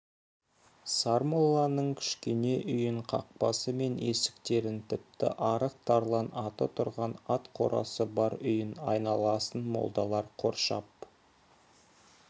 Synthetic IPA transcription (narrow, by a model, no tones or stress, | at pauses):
sɑɾmolˠːɑnəɴkʲʰɪ̥ʃkʲe̞ne̞ʔʏjɪɴqʰɑ̰q̚pɑsəme̞nʔe̞sɪ̥k̚t̪e̞ɾɪnt̪ʰɪp̚t̪ɪ̰ʔɑɾəq̚t̪ʰɑɾlˠɑnɑt̪ət̪ʰʊɾʁɑnɑt̪qʰo̞̰ɾʔɑ̰səbɑɾʏjɪnɑ̰jnɑlˠɑsənmo̞̰lˠd̪ɑlˠɑɾqʰo̞̰ɾʃɑp̚